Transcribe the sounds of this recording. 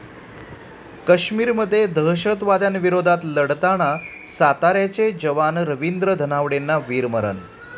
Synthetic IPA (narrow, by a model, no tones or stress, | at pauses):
kəɕmiːɾməd̪ʱːjed̪ʱəɦɕət̪ʋad̪janʋiɾod̪ʱat̪ləɽt̪aɽ̃a | sat̪aɾjat͡ɕed͡ʑəʋanɾəʋind̪ɾəd̪ʱənaʋɽenːaʋiːɾməɾə̰n